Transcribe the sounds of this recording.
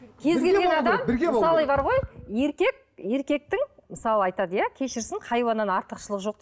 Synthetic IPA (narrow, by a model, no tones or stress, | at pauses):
kʲʰe̞zɡʲe̞lɡenɑd̪ɑmbɪɡʲemsɑlˠɑjbɑɾʁo̞je̞ɾkʲe̞k̚ | e̞ɾkʲe̞k̚t̪ɪŋməsɑlˠəɑjt̪ɑd̪əjakʲʰe̞ʃɪɾsɪɴqʰɑjwɑnɑnɑɾt̪əqʃəlˠəqʒo̞q̚t̪